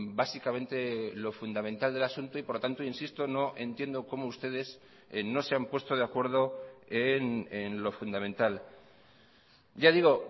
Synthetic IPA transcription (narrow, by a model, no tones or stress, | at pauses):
basikamẽ̞nt̪e̞lo̞fund̪amẽ̞nt̪ald̪e̞lasunt̪oipo̞ɾlot̪ant̪oinsist̪o̞no̞ʔe̞nt̪je̞nd̪o̞ko̞moust̪e̞ðe̞s | no̞se̞ampwe̞st̪oð̞eakwe̞ɾð̞o̞enenlo̞fund̪amẽnt̪al | ɟ͡ʝaðiɣ̞o̞